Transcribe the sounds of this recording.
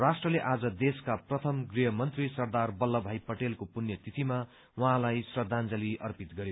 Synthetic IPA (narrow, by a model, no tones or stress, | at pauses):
rasʈrʌleʔad͡zʌd̪eskaprʌt̪ʰʌmɡrijɦʌmʌnt̪risʌrd̪arbʌlːʌbʱajpʌʈelkopunjʌt̪it̪ʰima | wʌɦãlajsrʌrd̪ʱand͡zʌliʌrpit̪ɡʌɾjo